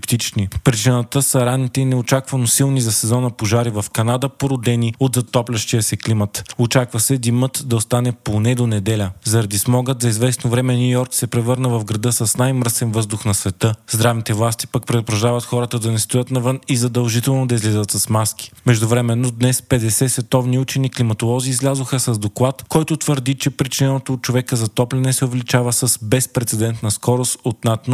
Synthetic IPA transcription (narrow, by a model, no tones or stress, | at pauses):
pt̪it͡ʃnipɾit͡ʃinət̪əsɐɾanːit̪ɛinɛot͡ʃakvɐnosilˠnizɐsɛzɔnəpoʒaɾivɐfkɐnad̪əpoɾod̪ɛniod̪zɐt̪ɔplʲɐʃt̪iəsɛklimət̪ot͡ʃakvɐsɛd̪imɤt̪d̪ɐost̪anɛponɛd̪onɛd̪ɛlʲəzɐɾɐd̪ismɔɡəd̪zɐizvɛsnovɾɛmɛnʲjujɔɾksɛpɾɛvɤɾnəvɐvɡɾɐd̪əsɐsnajmɾsɛnvɤzd̪ʊxnɐsvɛt̪ɤzd̪ɾavnit̪ɛvlˠast̪i̥pɐkpɾɛd̪ʊpɾɐʒd̪avɐt̪xɔɾət̪əd̪ɐnɛst̪ojət̪nɐvɤnizɐd̪ɐlˠʒit̪ɛlˠnod̪ɐizlʲɛzət̪sɐsmask̟i̥mɛʒd̪ʊvɾɛmɛnːod̪nɛspɛd̪ɛsɛsvɛt̪ɔvniut͡ʃɛniklimɐt̪olˠɔziːzlʲazoxəsɐzd̪oklˠat̪kɔjt̪ot̪vəɾd̪it͡ʃɛpɾit͡ʃinɛnot̪oːt̪̚t͡ʃovɛkəzɐt̪ɔplʲɛnɛsɛovɛlit͡ʃavəsəsbɛspɾɛt̪sɛd̪ɛnt̪nɐskɔɾost̪ot̪nat̪no